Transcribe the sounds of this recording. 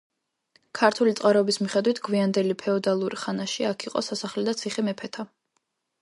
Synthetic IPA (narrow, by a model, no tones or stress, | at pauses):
kʰaɾt̪ʰulit̪sʼqʼaɾɔbismiχɛd̪wit̪ʰɡwiand̪ɛlipʰɛɔd̪alˠuɾiχanaʃiakʰiqʼɔ̰sasaχlɛd̪at̪sʰiχɛmɛpʰɛt̪ʰa